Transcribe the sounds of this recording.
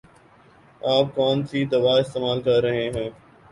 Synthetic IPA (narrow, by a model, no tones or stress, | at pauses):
aːp̚kɔːnsʰiːd̪ɐʋaːɪst̪eːmaːlkəɾɾəɦẽːɦɛ̃ː